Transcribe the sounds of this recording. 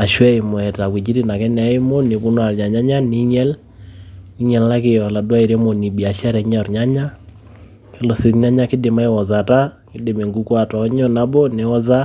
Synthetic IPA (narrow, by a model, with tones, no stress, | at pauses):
a˨ʃwɛ˦ɪ˨mɔ˨ɛ˨ta˨kwi˨d͡ʒi˦ɾi˦na˨kɛ˦nɛ˨˦ɪ˦mo˦nɪ˨βu˦nwa˨ɾɲa˨ɲa˦ɲa˦ni˦ɲɛ˦l | i˦ɲɛ˨lla˦kɪ˨ɔ˨la˨dwa˦i˨ɾe˦mo˨ni˨bi˨a˨ʃa˦ɾɛ˨ɲɔ˨ɾɲa˦ɲa˦ | kɛ˦lɔ˨si˨tɲa˦ɲa˦kɪ˦dɪ˨ma˦ɪ˦wɔ˨za˨ta˦ | kɪ˦dɪ˨me˨ŋɡu˦kwa˨tɔ˨˦ɲɔ˦na˦bɔ˦nɪ˨˦ɔ˦za˦